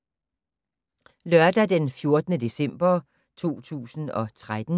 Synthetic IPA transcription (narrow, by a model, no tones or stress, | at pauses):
lœɐd̥æd̥enfjo̝ɐd̥ənəd̥e̝sem̰b̥ɐ | t͡sʰo̝̰ːt͡sʰṵːsn̩ɒ̽t͡sʰʁad̥n̩